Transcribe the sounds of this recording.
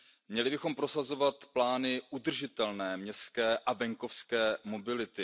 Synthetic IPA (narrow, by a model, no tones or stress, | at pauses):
mɲɛlɪbɪxo̞mpɾo̞sazo̞vat̪plaːnɪʔud̪r̩ʒɪt̪ɛlnɛːmɲɛskɛːʔavɛŋko̞fskɛːmo̞bɪlɪt̪ɪ